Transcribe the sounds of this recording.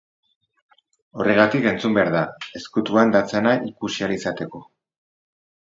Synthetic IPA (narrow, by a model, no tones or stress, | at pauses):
o̞re̞ɣ̞at̪ike̞nt͡sumbe̞aɾðae̞skut̪uand̪at͡senaʔikusialisat̪e̞ko̞